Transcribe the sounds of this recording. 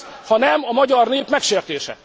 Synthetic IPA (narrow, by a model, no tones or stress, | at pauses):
hɒnɛmɒmɒɟɒrneːpmɛkʃeːrt̪eːʃɛ̰